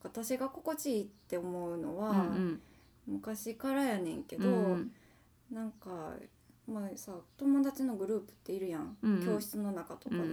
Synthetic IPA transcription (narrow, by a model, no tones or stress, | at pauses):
βat̪aɕiɡako̞ko̞t͡ɕiːt̪ːe̞o̞mo̞ɯ̟no̰βa | mɯ̟kaɕikaɾajanẽ̞ŋke̞d̪o̞ | nãŋka | masat̪o̞mo̞d̪at͡ɕino̞ɡɯ̟ɾɯ̟ːpɯ̟̥t̪ːe̞iɾɯ̟jãŋkkʲo̞ːɕi̥t͡sɨno̞nakat̪o̞ka